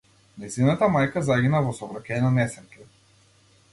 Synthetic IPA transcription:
najzinat̪amajkazaɡʲinavɔsɔvɾacʲɛnanɛsɛɾkʲɛ

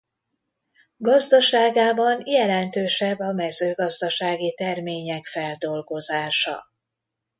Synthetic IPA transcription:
ɡɒzd̪ɒʃaːɡaːbɒnjɛlɛnt̪øːʃɛbːɒmɛzøːɡɒzd̪ɒʃaːɡit̪ɛrmeːɲɛkfɛld̪o̞lɡo̞zaːʃɒ̰

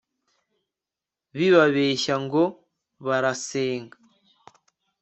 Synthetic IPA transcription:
βiβaβeʃaŋɡo | βaɾaseːŋɡa

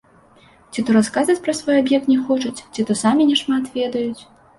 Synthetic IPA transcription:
t͡sʲit̪uɾaskazvɐt͡sʲpɾɐsvɔjabjɛk̚t̪nʲɛxɔt͡ʂɐt͡sʲt͡sʲit̪ɔsamʲinʲɛʂmat̪vʲɛd̪ɐjut͡sʲ

